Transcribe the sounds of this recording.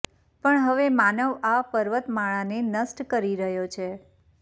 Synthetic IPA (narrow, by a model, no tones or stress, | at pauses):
pəɳɦəʋemanəʋapəɾʋət̪maɭ̃anenəsʈkəɾiɾəɦjot͡ʃʰe